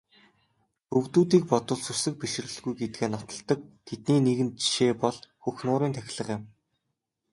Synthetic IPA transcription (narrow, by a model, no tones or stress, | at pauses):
ɵɣt̪uːt̪̬iːk̚pɔt̪ə̆ɮsusɘ̆k̚piʃɪ̆r̆ɘ̆ɮɣujɡet̪̚ɡeːnɔt̪ɞ̆ɮt̪ə̆k̚t̪ʰet̪niːneɣɘ̆nt͡ɕi̥ʃeːpɔɮxuxnʊːɾiːnt̪ʰæxʲɪ̆ɮə̆χɪ̆m